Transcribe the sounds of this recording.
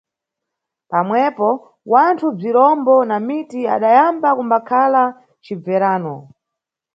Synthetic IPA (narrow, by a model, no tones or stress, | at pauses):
pamwɛpɔ | wantʰub͡ʐiɾɔmbɔnamitia̰ɗajambakumbakʰala | t͡ʃib͡vɛɾaːnɔ